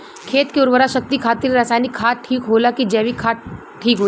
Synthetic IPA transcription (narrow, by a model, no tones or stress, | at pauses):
kʰeːt̪keʊɾʋəɾaʃək̚t̪ikʰaːt̪ɪɾɾaːsaːjnikʰːaːʈʰiːkɦoːlakid͡ʒɛːʋikʰaː | ʈʰiːkɦoː